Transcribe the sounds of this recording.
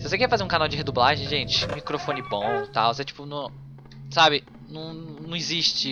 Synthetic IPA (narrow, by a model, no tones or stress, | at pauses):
sɪvosekɛɾɛfazeɾũkanawd͡ʒɪɦed̪ublaʒẽj̃ʒẽt͡ʃɪ̥mikɾofõnɪbõw̃t̪awvoset͡ʃi̥pʊnɐ̃ | sabɪ | nɐ̃w̃nɐ̃w̃ɪziʃt͡ʃɪ